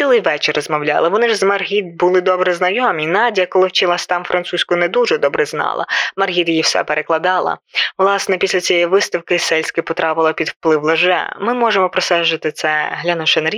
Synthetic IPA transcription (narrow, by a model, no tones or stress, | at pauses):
ilˠɪjʋɛt͡ʃɪrɔzmɔwlʲɑ̰lˠɪʋɔnɪʒzmɐrɦʲid̪̚bʊlˠɪd̪ɔbɾɛznɐjɔmʲinɑdʲijɐkɔlˠɪwt͡ʃilˠɑsʲt̪ɑmfɾʔɐnt̪susʲkjnɛd̪uʒɛd̪ɔbɾɛznɑ̰lˠɐ̰mɐrɦʲid̪jiwsɛ̰peɾʔeklˠɐd̪ɑlˠɐ̰ʋlˠɑsnɛpʲisʲlʲɐt͡sʲijɛjiʋɪst̪ɐwkɪsɛlʲsʲkɪpɔt̪ɾɑpɪlˠɐpʲid̪wplˠɪwlˠɪʒɛ̰mɪmɔʐemɔpɾɔsɛʒɪt̪ɪt̪sɛɦlʲɐnɔʃɛnɐɾʲ